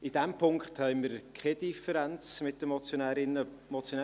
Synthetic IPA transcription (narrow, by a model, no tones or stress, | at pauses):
id̥ɛmpʰʊŋkχthɛɪməɾkʰɛdifəɾɛnt͡smɪt̚d̥əmot͡sjonɛɾɪnə | mɔt͡sjonɛ